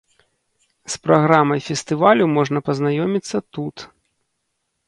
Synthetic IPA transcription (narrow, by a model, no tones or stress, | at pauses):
spɾaɣɾamɐjfʲɛst̪ɨvalʲumɔʐnɐpɐznajɔmʲit̪sːɐt̪ut̪